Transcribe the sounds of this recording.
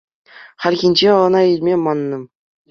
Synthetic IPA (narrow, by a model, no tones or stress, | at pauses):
χɑlʲɣʲinʲd͡ʑeɤ̆nɑilʲmʲemɑnːɤ̆